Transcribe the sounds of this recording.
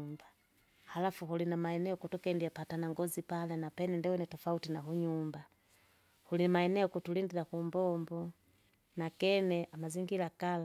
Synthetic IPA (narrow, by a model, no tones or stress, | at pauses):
mba | alafuhulinamaɛnɛɔkutɔkɛndiapatanaŋɡɔzipalɛnapɛnɛndɛwɛnɛtɔfautinaɦuɲumba | hulimaɛnɛɔkutulindilakumbɔmbɔ | nakɛnɛʔamaziŋɡilakala